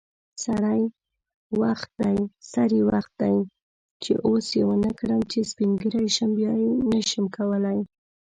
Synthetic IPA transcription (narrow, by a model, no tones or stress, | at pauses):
saɾaj | waxt̪̚d̪ajsaɾiwaxt̪̚d̪aj | t͡ʃḛʔosjewənəkɾəmt͡ʃespiŋɡəɾajʃəmbjɑjenəʃəmkawəlaj